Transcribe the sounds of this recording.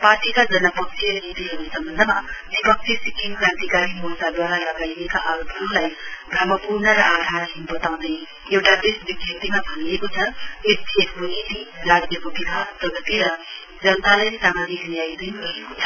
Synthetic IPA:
parʈikad͡zʌnʌpʌk̚sʰiʌnit̪iɦʌɾesʌmbʌnd̪ʱʌmabipʌk̚t͡ʃʰisikimkãnt̪ikaɾimut̪ad̪waɾalʌɡajeka̰ʔaɾupulajbɾʌmʌpurnʌɾʌʔad̪ʱaɾkʰinbʌt̪aw̃d̪ʌj | ewʈad̪esbid̪ʱjʌpt̪imabʱʌniekot͡sʰʌesekbunit̪iɾaɡnjʌkobikasp̪ʌɡʌt̪eɾʌ | d͡zʌnət̪alajsamad͡ziknijajd̪ʌjɡʌɦekot͡sʰʌ̥

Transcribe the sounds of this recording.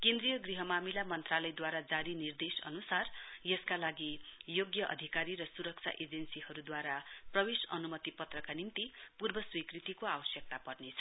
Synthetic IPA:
kẽnd̪ɾijʌɡriɦʌmamilamʌnt̪ralʌjd̪waɾad͡zaɾinird̪esʌ̰nusarjʌskalaɡijoɡjʌʔʌ̰d̪ʱikaɾirʌsuɾʌk̚t͡sʰa̰ʔed͡zensihʌɾud̪waɾaprʌbesʌnumʌt̪ipʌt̪rʌkanimt̪ipurbʌswikrit̪ikoabʌsjʌk̚t̪apʌrnet͡sʰʌ̥

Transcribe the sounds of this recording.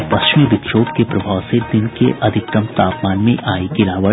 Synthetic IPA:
pɐst͡ʃɪmijəʋɪkʃoːbkepɾɐbʱaːʋsed̪ɪnkḛʔɐd̪ʱɪk̚k̪ɐmt̪aːpmaːnmẽʔaːikɪɾaːʋə

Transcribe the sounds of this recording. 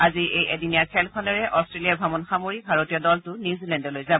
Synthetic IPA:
aziejʔediniaɹkʰɛlkʰɔnɔɹɛʔɔstɹelijaɹbʱamɔnxamoɹibʱaɹotijɔdɔltʊnuzilɛndɔlojzabɔ

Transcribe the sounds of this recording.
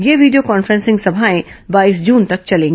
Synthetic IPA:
jeːʋiːɖijokɔːnfɾɛ̃nsɪ̃ŋɡsɐbʱaːẽbaːisd͡ʒũːnt̪ɐk̚t͡ʃɐlẽːŋɡ

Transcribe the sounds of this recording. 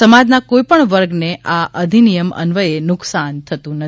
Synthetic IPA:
əmad͡ʒnakoipəɳʋəɾɡneʔaʔəd̪ʱinijəmə̰nʋəenʊksant̪ʰət̪ũnə

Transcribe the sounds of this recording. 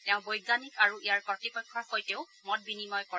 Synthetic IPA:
tɛʊ̃bojɡanikaɹuijaɹpɔtipɔjkʰːɔxojteʊ | mɔt̚binimɔjkɔ

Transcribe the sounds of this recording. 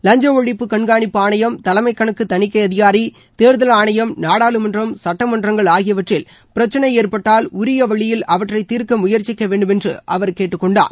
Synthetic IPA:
lɐɲd͡ʒɐɔɭːɪpːɯkɐɳɡaːɳɪpːɯaːɳɐjɐmt̪ɐlɐmɐɪkːɐɳɯkːɯt̪ɐnɪkːɐɪɐðɪɣaːɾi | t̪eːɾðɐlaːɳɐjɐmnaːɽaːlɯmɐndrɐmsɐʈːɐmɐndrɐŋɡɐɭaːɣɪjɐʋɐʈrɪl | pɪɾɐt͡ʃːɐnɐɪjeːrpɐʈːaːlʊɾɪjɐʋɐɭːɪjɪlʔɐʋɐʈrɐɪt̪iːɾkɐmʊjɐɾt͡ʃːɪkːɐʋeːɳɖɯmɛndrɯ̰ʔɐʋɐɾkeːʈːɯkːɔɳɖa̰ːɾ

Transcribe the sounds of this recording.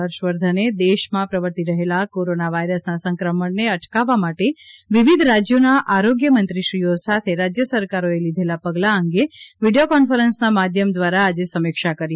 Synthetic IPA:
əɾʃʋəɾd̪ʱəned̪eʃmãpɾəʋəɾt̪iɾəɦelakoɾonaʋaiɾəsnasə̃ŋkɾəməɳneəʈkaʋːamaʈeʋiʋid̪ʱɾad͡ʒjonaʔʔaɾoɡjəmənt̪ɾiʃɾijosat̪ʰeɾad͡ʒjəsəɾkaɾoelid̪ʱelapəɡlaəŋɡeʋiɖijokɔnfəɾənsnamad̪ʱjəmd̪ʋaɾaːd͡ʒesəmikʃakəɾj

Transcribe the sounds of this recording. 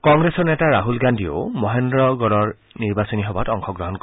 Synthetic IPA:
kɔŋɡɹesɔɹnɛtaɹaɦulɡandio̰mɔɦendɹɔɡɔlɔɹ | niɹbasɔniɦɔbatɔŋxʰɔɡɹɔɦɔnk

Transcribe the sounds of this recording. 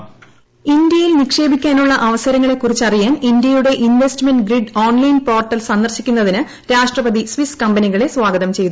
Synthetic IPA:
ind̪jɐjilnikʂe̞ːbikʲːaːnuɭːɐʔɐʋɐsɐɾɐŋːɐɭekːurit͡ɕːɐrijaːnind̪jɐjuɽe̞ʔinʋestmenɖɡriɖoːnlɐjnpo̞ːrʈːɐlsɐnːɐrɕikʲːunːɐðinɨ | ɾaːʂʈrɐbɐðisʋiskɐmbɐniɣɐɭe̞sʋaːɡɐðɐmt͡ɕe̞jt̪ːu

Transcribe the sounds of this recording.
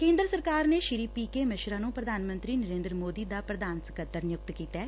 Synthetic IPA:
kẽːnd̪ɾəsəɾkaːɾneːʃɪɾiːpiːkeːmɪʃɾaːnũːpɾəd̪ʱaːnmə̃nt̪ɾiːnəɾẽːnd̪ɾəmoːd̪iːd̪aːpɾəd̪ʱaːnsəkət̪ːəɾnɪjʊk̚t̪kiːt̪ɛː

